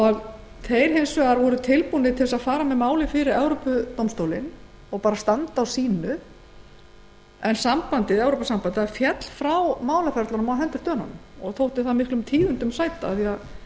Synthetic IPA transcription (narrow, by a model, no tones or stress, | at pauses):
ɔɣ | θejɾ̥ɦejnsvɛɣaɾvɔɾʏt̪ʰɪlpunɪðt̪ʰɪlsaðfaːɾamɛmaːwlɪfɪɾɪɾɛwɾopʏt̪owmst̪owlɪn | ɔɣpaːɾast̪ant̪awsiːnʏ | ɛnsampant̪ɪðɛwɾowpasampant̪ɪaɾfjɛt̪l̥fɾawmaːwlafɛɾt̪aɾmawɦɛnt̪ʏɾ̥t̪œːna̰nmɔɣθʰowht̪ɪ̥θaðmɪhklʏmt̪ʰiːðʏnt̪ʏmsaːjt̪aaθia